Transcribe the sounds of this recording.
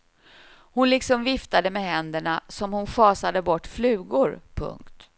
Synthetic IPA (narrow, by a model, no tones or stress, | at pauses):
hʊnlɪksɔmvɪft̪ad̪əmɛɦɛnd̪əɳasɔmhʊnɧɑːsad̪əbɔʈːflʉ̟ːɡʊɾpʰɵ̰ŋkt̪